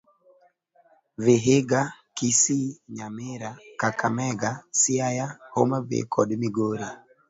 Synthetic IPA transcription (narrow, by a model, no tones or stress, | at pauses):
veɦeɡakisiɲamɪɾakakamɛɡasiajahomavḛkʰɔɗmiɡoɾi